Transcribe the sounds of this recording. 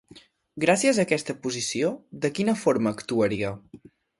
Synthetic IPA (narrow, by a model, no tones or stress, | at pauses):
ɡɾasiəzəːkɛst̪əpuzisioðəkinəfoɾməːkt̪uəɾiə